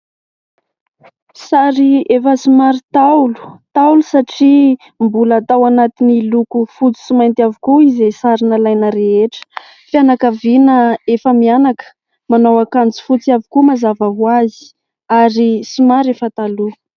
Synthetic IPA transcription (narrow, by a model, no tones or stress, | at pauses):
saɾiefəsimaɾit̪alu̥t̪aulusaʈ͡ʂi | mbulat̪awanat̪inilukufut͡si̥simajnt̪iavikuizesaɾinəlajnəɾeeʈ͡ʂə̥ | fianakavinəefəmianakə̥ | manawakant͡si̥fut͡siavikumazavaɦuazi̥ | aɾisimaɾefət̪alu